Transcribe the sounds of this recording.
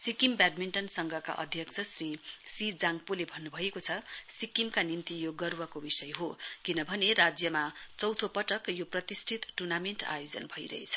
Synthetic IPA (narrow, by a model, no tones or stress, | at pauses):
sikimbaɖ̚minʈʌnsʌŋɡʱʌka̰ʔʌ̰d̪ʱjʌkt͡sʰʌsrisid͡zaŋɡpurlebʱʌnːubʱʌekot͡sʰʌsikimkanimt̪ijoɡʌrwʌkobisʌjɦokinʌbʱʌnerad͡zjʌmat͡sʌwt̪ʰopʌʈʌkjoprʌt̪isʈʰit̪ʈunamenʈa̰jod͡zʌ̰nbʱʌjɾʌ̰ɦet͡sʰʌ̥